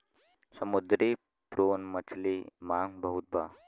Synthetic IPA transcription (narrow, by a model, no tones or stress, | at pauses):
səmud̪ɾi | pɾoːnmət͡ʃʰlimaːŋbəɦut̪̚baː